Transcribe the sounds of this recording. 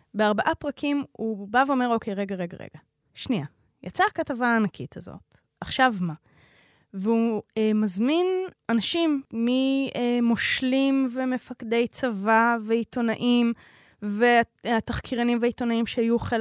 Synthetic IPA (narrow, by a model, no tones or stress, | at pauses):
beaʁbaʔapʁakimubaveo̞me̞ʁokʰejʁe̞ɡaʁeɡa̰ʁḛɡa | ʃnia | jat͡saːkatavaːnakʰitʰazo̰t | aχʃavma | veuemazminanaʃimːiemo̞ʃlimveme̞fakd̪e̞jt͡savaveito̞naʔim | veahat̪aχkʰiʁanimvaito̞naimʃehajuχel